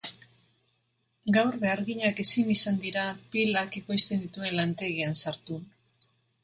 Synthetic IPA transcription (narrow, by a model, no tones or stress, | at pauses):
ɡawrβeaɾɣiɲake̞sinisand̪iɾapilake̞ko̞jst̪e̞nd̪it̪ue̞nlant̪e̞ɣiansaɾt̪u